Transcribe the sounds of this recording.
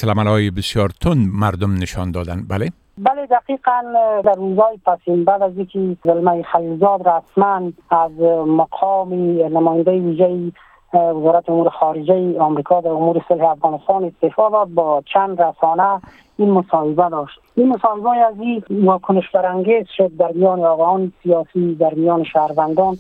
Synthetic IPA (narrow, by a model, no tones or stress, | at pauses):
slamalɔjɪbɪsjɒɾt̪ʰʊnmaɾd̪ʊmnɪʃɒnd̪ɔd̪anbale | baled̪aqiqand̪aɾːuzɔjipasinbad̪azikizɪlmajixalilzɔd̪ɾasmanazmaqʰɔminamɔːjɪnd̪ajiwiʒaji | wɪzɔːɾat̪iumuɾɪxɔɾɪd͡ʒajiɔmɾikʰɔd̪aʊmuɾɪsʊlhiafɣɔnɪst̪ɑnɪst̪efɔd̪ɔd̪̚bɔt͡ʃʰand̪ɾasɔna | inmʊsɔhɪbad̪ɔʃt̪imʊsɔhɪbaaziwɔkʊnɪʃbaɾaŋɡezʃʊd̪̚ːaɾmijɔːneɔɣaɔnsijɔsid̪aɾmijɔːnɪʃahɾwand̪ɔn